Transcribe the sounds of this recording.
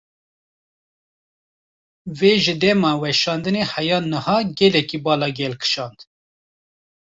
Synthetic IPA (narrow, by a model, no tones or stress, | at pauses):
veːʒɨd̪ɛmɑːwɛʃɑːnd̪ɨnehɛjɑːnɨhɑːɡɛlɛkiːbɑːlɑɡɛlkʰɨ̥ʃɑːnd̪